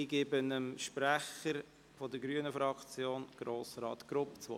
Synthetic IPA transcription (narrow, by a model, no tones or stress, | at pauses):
iɡɪbənəmʃpɾæχəɾ | fɔdəɾɡɾyənəfɾɑkt͡sjoːnɡ̥ɾoːsɾɑ̰ːt̪ɡ̥ɾʊpt͡sʋo̰